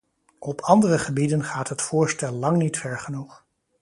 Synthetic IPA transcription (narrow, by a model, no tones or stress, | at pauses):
ɔpʰɑndərəχəbidənχaːtɦətfʊːɹstɛlˠːɑŋnitfɛɹχənuχ